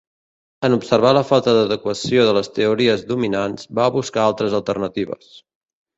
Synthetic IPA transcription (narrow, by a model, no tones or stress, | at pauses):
ənupsərβaləfalˠt̪əðəðəkwəsioðələst̪əuɾiəzðuminanz̥baβuskaalˠt̪ɾəzəlˠt̪ərnət̪iβ̞ə̰s